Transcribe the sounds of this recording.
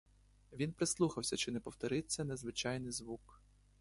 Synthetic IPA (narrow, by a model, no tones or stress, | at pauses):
ʋʲinpɾɪslˠuxɐwsʲɐt͡ʃɪnɛpɔwt̪ɔɾɪt͡sʲːɐnezʋɪt͡ʃɑjnɪjzʋuk